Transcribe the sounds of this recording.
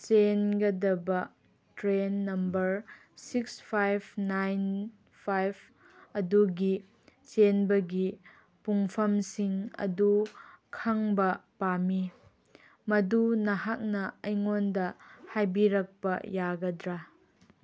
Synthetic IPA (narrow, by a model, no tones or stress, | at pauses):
t͡ʃenɡɐdɐbɐ | tɾenːɐmbɐɾ | sikspʰajbʰnajn | pʰajb | ɐduɡi | t͡ʃenbɐɡi | puŋpʰɐmsiŋɐ̰dukʰɐŋbɐpami | mɐdunɐɦak̚nɐɐjŋondɐhajbiɾɐk̚pɐ̰jaɡɐdɾa